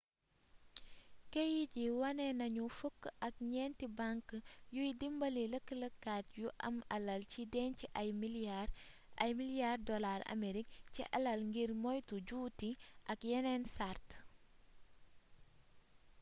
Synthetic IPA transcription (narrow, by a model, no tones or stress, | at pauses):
kejiɟiwɐnɛnɐɲufukːʔɐk̚ɲɛntibaŋkjujdimbɐliləkːələkːat̚juʔɐ̰mɐlɐlcidɛnciʔajm | ɐjmilijardɔlaɾɐ̰meɾik̚cḭʔɐ̰lɐlŋɡiɾmɔjtuɟuːtiʔɐkjɛnɛnsart